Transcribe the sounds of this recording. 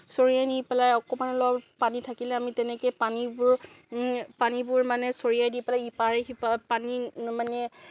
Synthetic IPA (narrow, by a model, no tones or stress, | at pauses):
soɹijajnipɛlajɔkɔmanlɔapanitʰakilɛamitɛnɛkɛjpanibʊɹ | panibʊɹmanɛsoɹijajdipɛlajipaɹɛɦipapanimanɛ